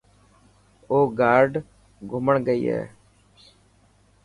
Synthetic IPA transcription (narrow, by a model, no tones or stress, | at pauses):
oːɡaːɾɖ | ɡʱʊməɳɡəiːɦɛ̰ː